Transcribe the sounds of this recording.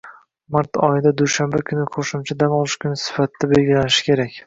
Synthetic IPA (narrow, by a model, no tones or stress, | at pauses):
maɾt̪ɒ̰jɪd̪ad̪uʃambakʰʊnɪqʰoʃʊmt͡ʃʰad̪anɒlˠɪʃkʰʊnɪsɪ̥fat̪ʰːabe̞lɡʲɪlanɪʃɪ̥kʲʰe̞ɾakʲ